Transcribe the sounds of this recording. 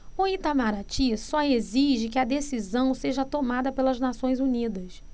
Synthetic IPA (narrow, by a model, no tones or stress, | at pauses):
ʊit̪amaɾat͡ʃisɔeziʒɪkɪɐd̪esizɐ̃w̃seʒɐt̪omad̪ɐpelɐznasõj̃zunid̪ɐs